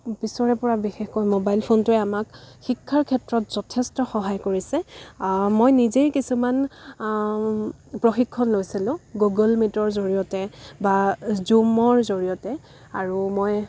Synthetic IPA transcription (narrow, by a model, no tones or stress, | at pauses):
bisɔɹɛpɔɹabixɛxkɔjmobajlpʰontʊɛamakxikʰːaɹkʰɛtɹɔtz̥ɔtʰɛstɔxɔɦajkoɹisɛ | mojnizejkisuman | pɹoxikʰːɔnlojsilʊ̃ɡuɡɔlmitɔɹzoɹijɔtɛbazumɔɹzoɹijɔtɛ | aɹumoj